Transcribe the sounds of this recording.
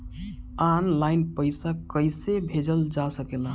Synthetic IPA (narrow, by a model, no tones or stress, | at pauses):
anlajnpəɪsakəɪsebʱed͡ʒəld͡ʒasəkelã